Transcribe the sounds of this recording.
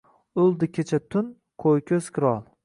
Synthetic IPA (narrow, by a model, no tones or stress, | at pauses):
ʊlˠd̪ɪkʲʰet͡ʃʰat̪ʰʊn | kʰojkʲʰɵsz̥kʲʰɪɾɒlˠ